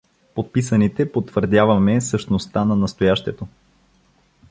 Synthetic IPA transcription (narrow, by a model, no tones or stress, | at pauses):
pot̪̚pisɐnit̪ɛpot̪ːvəɾd̪ʲjavɐmɛsəʃt̪nost̪anɐnɐst̪ojaʃt̪ɛt̪o